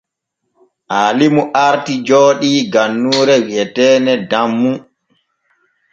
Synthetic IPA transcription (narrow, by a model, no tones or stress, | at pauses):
ʔaːlimuʔaɾtid͡ʒoːɗiɡanːuːɾɛwɛtɛːnɛdamːu